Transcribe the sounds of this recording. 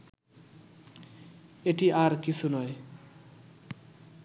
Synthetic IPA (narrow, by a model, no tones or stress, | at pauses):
eʈiʔaɾkit͡sʰunɔj